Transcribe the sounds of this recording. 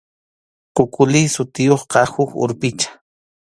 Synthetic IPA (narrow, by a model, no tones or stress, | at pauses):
qʊkʼʊlɪsʊt̪ɪjoχqɑhʊkʊ̰ɾpɪt͡ʃḁ